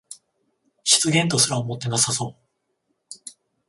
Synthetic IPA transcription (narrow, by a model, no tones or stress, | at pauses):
ɕi̥t͡sɨɡẽ̞nt̪o̞sɨɾaomo̞t̪ːe̞nasaso̞ː